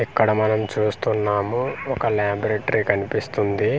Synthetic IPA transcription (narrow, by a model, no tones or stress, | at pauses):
ikːɐɽɐmɐnɐmt͡ʃuːst̪unːaːmuɔkɐlaːbɾeːʈɐɾikɐnipist̪und̪i